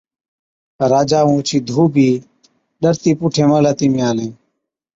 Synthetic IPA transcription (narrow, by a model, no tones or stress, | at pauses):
ɾaːd͡ʒaːũːt͡ʃʰiːd̪ʱuːbʱiː | ɗəɾt̪iːpʊʈʰẽːməlaːt̪imĩaːlẽː